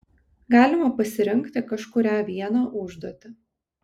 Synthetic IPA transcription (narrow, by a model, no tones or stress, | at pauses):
ɡɑːlʲɪmɐpɐsʲɪɾʲɪŋʲkt̪ʲɪkɐʃkʊɾʲæːʋʲiɛnɑːʔʊʒd̪uɔt̪ʲɪ